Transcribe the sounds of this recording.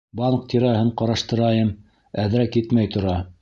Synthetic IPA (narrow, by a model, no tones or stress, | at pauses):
bɑɴq̚t̪ʰiɾæɦɤɴqɑɾɑʃt̪ɤ̆ɾɑjɤm | æðɾækit̪mæjt̪ŏɾɑ